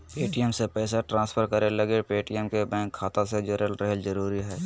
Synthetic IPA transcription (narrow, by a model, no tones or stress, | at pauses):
peːʈiɛmsepɛːsaʈɾãːspʰəɾkəɾelɐɡepeːʈiɛmkebɛ̃ːŋkʰːaːt̪ãsed͡ʒoɾəlɾəɦeld͡ʒəɾuːɾiɦɛː